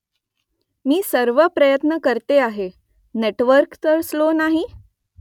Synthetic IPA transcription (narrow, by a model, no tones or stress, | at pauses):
miːsəɾʋəpɾəjət̪nəkəɾt̪eaɦe | neʈʋəɾkt̪əɾslonaɦi